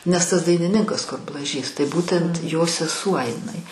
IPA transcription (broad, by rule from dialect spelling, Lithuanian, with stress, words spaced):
nʲɛs tɐs dɐɪnʲɪˈnʲɪŋkɐs kʊr blˠɐˈʒʲiːs tɐɪ ˈbuːtʲɛnt joː sʲɛˈsuɔ ɪˈnɐɪ